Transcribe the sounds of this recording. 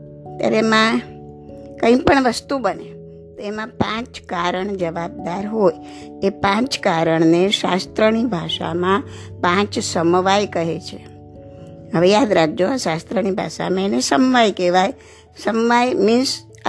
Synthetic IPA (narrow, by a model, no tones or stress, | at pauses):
ət̪ja̰ɾeemã | kə̃ĩpəɳʋəst̪ubəne | t̪oemãpãt͡ʃkaɾəɳd͡ʒəʋab̚d̪aɾɦoj | epãt͡ʃkaɾəɳneʃa̰st̪ɾənibʱaʃa̰mã | pãt͡ʃsəmʋajkəɦet͡ʃʰe | ɦəʋejad̪ɾaɡ̚d͡ʒoaʃast̪ɾənibʱa̰ʃa̰mãenesəmʋajkeʋaj | səmʋajmɪns